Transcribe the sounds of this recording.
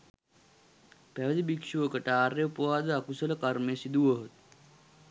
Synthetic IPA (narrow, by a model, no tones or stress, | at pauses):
pæʋəd̪ibikʂuʋəkəʈəaːɾeupuʋaːd̪əakusələkarmejəsid̪uʋoɦət̪̚